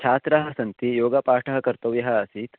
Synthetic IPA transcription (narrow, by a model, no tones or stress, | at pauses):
t͡ʃʰaːt̪ɾɐɦɐ̆sɐnt̪ijoːɡɐpaːʈʰɐɦɐkɐɾt̪ɐʋjɐɦɐɐsiːt̪